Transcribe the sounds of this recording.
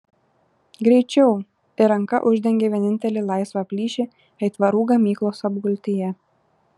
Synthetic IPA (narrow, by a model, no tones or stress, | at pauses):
ɡɾʲɛɪt͡ʃʲɛʊ | t̪ɪɾɐŋkɐ̰ʔʊʒʲd̪ʲɛŋʲɡʲeːʋʲiɛnʲɪnʲt̪ʲɛlʲɪlˠɑɪsʋɑpʲlʲiːʃʲɪ | ɛɪt̪ʋɐɾuːɡɐmʲiːklˠoːsɐbɡʊlʲt̪ʲijɛ